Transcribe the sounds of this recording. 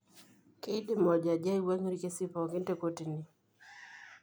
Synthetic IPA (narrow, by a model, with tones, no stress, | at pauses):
ke˦dɪ˦mɔ˨d͡ʒa˨d͡ʒa˦i˦wa˦ŋ˦ɾi˦ke˦si˦pɔ˨kɪ˦nte˦ko˦ti˨ni˨